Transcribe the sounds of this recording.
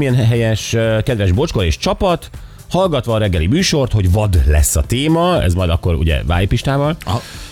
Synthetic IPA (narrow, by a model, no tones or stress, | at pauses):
mijɛnɦɛjɛʃkɛd̪ʋɛʒbo̞t͡ʃkoɾeːʃt͡ʃɒpɒt̪ | hɒlɡɒt̪ʋɒːɾɛɡːɛlimyːʃo̞rt̪ho̞ɟvɒd̪lɛ̰sːɒt̪eːmɒɛ̰zmɒjd̪ɒkːo̞ɾṵɟɛ̰va̰ːjipiʃt̪aːvɒl